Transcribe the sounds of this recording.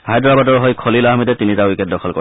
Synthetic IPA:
hajdɹabadɔɹɦɔjkʰɔlilaɦmitɛtinitawikɛd̚dɔkʰɔlkɔ

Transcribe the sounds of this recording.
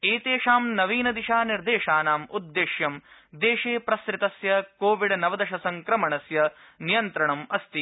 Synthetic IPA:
eːt̪eːʂaːmnɐʋiːnɐd̪iʂaːniɾd̪eːʂaːnaːmud̪ːeːʃjɐmd̪eːʂeːpɾɐskɾit̪ɐsjɐkoːʋiɖnɐʋɐd̪ɐʃɐsɐŋkɾɐmɐɳɐsjɐ | nijɐnt̪ɾɐɳɐmɐst̪i

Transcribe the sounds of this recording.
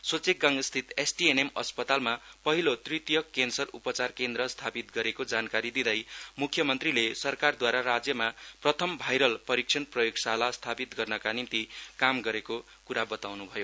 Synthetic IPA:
sot͡sek̚ɡaŋst̪ʰit̪esʈienemʌspʌt̪almapʌɦilot̪rit̪ijʌkːensʌrupʌt͡sarkend̪rʌst̪ʰapit̪̚ɡʌɾekod͡zankaɾid̪id̪ʌjmukʰːjʌmʌnt̪rilesʌrkard̪waɾaɾad͡zjʌmaprʌt̪ʰʌmbʱajɾʌlpʌɾik̚t͡sʰʌnprʌjoɡsalast̪ʰapit̪ɡʌrnʌkanimt̪ikamɡʌɾeko | kuɾabʌt̪awnubʱʌjo

